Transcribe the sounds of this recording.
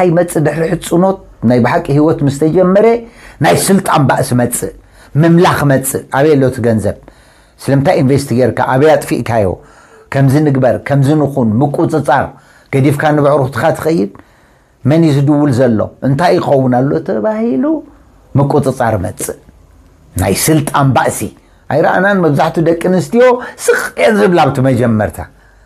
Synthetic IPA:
t̪ʰajmɐt͡sʼːɨd̪ɨħɾiħɨt͡sʼːɨno̞t̪̚najbɨħakʼːihiwɔt̪mɨst̪ʰɐd͡ʒɐmːɐɾenajsɨlt̪ʼanbaʔsimɐt͡sʼːɨ | mɨmlaxmɐt͡sʼɨʔaβelːot̪ʰɨɡɐnzɐβ | sɨlɐmnt̪ʰajinvest̪ʰiɡeɾkʰa̰ʔaβjat̪ʼfḭʔkʰajo̞̰ | kʰɐmzɨnɨɡbɐɾkʰɐmzɨnɨxunmɨkʼut͡s̪ʼɨt͡sʼaɾ | ɡ̥ɐd̪ifkʰanɨβʕɾuxt̪ʰɨ̥xat̪ʰɨ̥xɐjːɪd̪̚ | mɐnizɨd̪ɨwːulzɐlːo̞̰ʔɨnt̪ʰajːɪxɐwːunalːo̞t̪ʰɐβahilu | mɨkʼut͡s̪ʼɨt͡sʼaɾmɐ̰t͡sʼːɨ | na̰jsɨlt̪ʼanbaʔsi | ʔajɾa̰ʔananmɐβzaħt̪ʰud̪ɐkʼːɨnɨst̪ʰijo̞sɨxʼjenzɨβlaβt̪ʰimɐd͡ʒɐmːɐɾt̪ʰa̰

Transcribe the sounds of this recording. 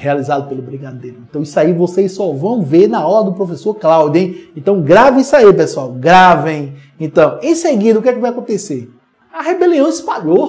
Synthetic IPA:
healizad̪ʊpelʊbɾĩkad̪eɾʊẽnt̪ɐ̃w̃isaivosejssɔvɐ̃w̃veɾnɐawlɐd̪ʊpɾofesoɾklawd̪iẽj̃ẽt̪ɐ̃w̃ɡɾavɪisaipesuawɡɾavẽj̃ | ẽt̪ɐ̃w̃ẽj̃seɡid̪ɐukɛkɪvajakõt̪ese | ɐhebeliɐ̃w̪̃ispaʎo

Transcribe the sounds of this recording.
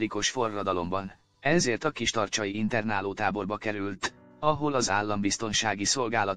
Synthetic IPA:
iko̞ʃfo̞rːɒd̪ɒlo̞mbɒn | ɛzeːrt̪ɒkiʃt̪ɒrt͡ʃɒjiint̪ɛrnaːloːt̪aːbo̞rbɒkɛɾylt̪ | ɒɦo̞lɒza̰ːlːɒmbist̪o̞nʃaːɡiso̞lɡaːlɒ

